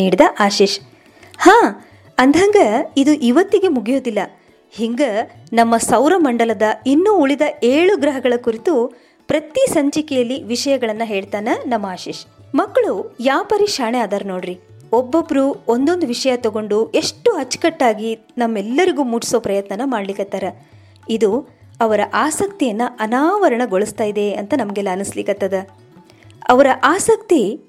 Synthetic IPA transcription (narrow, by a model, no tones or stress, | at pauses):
iːɽid̪ɐʔaːʃiːʃ | haː | ɐnd̪ʱɐŋɡɐid̪uʔiʋɐt̪ːiɡe̞muɡijoːd̪ilːɐ | hiŋɡɐ | nɐmːɐsɐwɾɐmɐɳɖɐlɐd̪ɐinːuːɭid̪ɐʔe̞ːɭuɡɾɐɦɐɡɐɭɐkuɾit̪u | pɾɐt̪isɐɲt͡ʃikɛjɐlːiʋiʂɐjɐɡɐɭɐnːɐɦe̞ːɭt̪aːnɐnɐmːɐaːʃiːʃmɐkːɐɭujaːpɐɾiʂaːɳeaːd̪aːɾno̞ːɽɾi | obːobɾuond̪ond̪uʋiʂɐjɐt̪ɔɡo̞ɳɖuʔe̞ʂʈːuɦɐt͡ʃːkɐʈːaːɡi | nɐmːɛlːɐɾiɡuːmuːʈi̥so̞ːpɾɐjɐt̪nɐnɐmaːɖlikːɐt̪ːaːɾɐ | id̪u | ɐʋɐɾɐʔaːsɐk̚t̪ijɐnːɐʔɐnaːʋɐɾɐɳɐɡoɭust̪aːjid̪e̞ɐnt̪ɐnɐmɐɡɛlːɐːnuslikɐt̪ːɐd̪ɐ | ɐʋɐɾɐʔaːsɐk̚t̪i